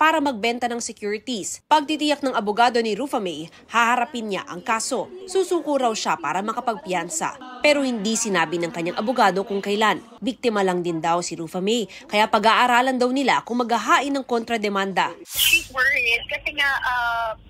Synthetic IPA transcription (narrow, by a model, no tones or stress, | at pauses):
paːɾɐmɐɡ̚bɛnt̪ɐnɐŋsɛkjuːɾɪt̪ispɐɡ̚t̪it̪ɪjak̚nɐŋʔɐbʊɡaːd̪o̞nɪɾufɐmɛj | hahɐɾɐpɪnɲa̰ʔɐŋkaːso̞suːsuːkoɾɐwʃapaːɾɐmɐkɐpɐɡ̚pjansɐ̰pɛːɾo̞hɪnd̪isɪnaːbɪnɐŋkɐɲaŋʔɐbʊɡaːd̪o̞kʊŋkɐjlan | bik̚t̪ɪmɐlɐŋd̪ɪnd̪awsɪɾuːfɐmɛjkɐjapɐɡaːʔaɾaːlɐnd̪ɐwnɪlakʊŋmɐɡɐɦaːʔɪnːɐŋkont̪ɾɐd̪ɛmand̪ɐʃiwɛɹd̪̚kɐsɛŋaʔa